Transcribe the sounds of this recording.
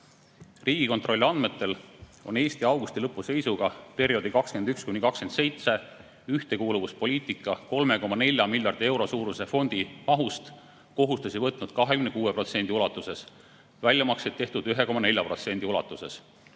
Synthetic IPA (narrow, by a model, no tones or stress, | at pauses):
riːɡ̥iko̞nt̪ro̞lʲːɑnd̪̚me̞t̪ːe̞lo̞̰ne̞ːsʲt̪iɑwɡust̪ilɤpːˑuse̞jsuɡ̥ɑpe̞ɾjo̞d̪̥ikɑkske̞nd̪ykskunikɑkske̞nd̪se̞jt̪se̞ | yht̪e̞kuːluvuspo̞lʲiːt̪ˑikːˑɑko̞lme̞ko̞mɑne̞lʲjɑmilʲjɑrd̪̥ie̞wɾo̞suːɾuse̞fo̞nʲd̪̥imɑɦust̪ | ko̞ɦust̪usʲivɤt̪ˑnud̪̥kɑɦekymnekuːepro̞t̪se̞nd̪̥iulɑt̪ˑːuse̞s | vælʲjɑmɑksejt̪ːe̞ht̪ud̪̥yɦeko̞mɑnelʲjɑpro̞t̪se̞nd̪iulɑ̰t̪ːˑuse̞s